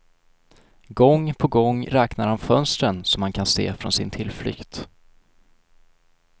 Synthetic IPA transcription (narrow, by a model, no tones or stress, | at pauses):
ɡɔŋːpʰɔɡɔŋːɾɛːknaɾhanfœnst̪ɾənsɔmhankʰansḛːfɾɔ̰nsɪnt̪ʰɪlflʏ̰kt̪